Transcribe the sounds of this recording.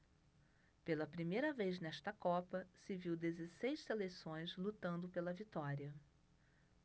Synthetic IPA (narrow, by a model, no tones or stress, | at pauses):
pelɐpɾimejɾɐvejznɛʃt̪ɐkɔpɐsɪviwd̪ezesejsselesõj̃zlut̪ɐ̃nd̪ʊpelɐvit̪ɔɾiɐ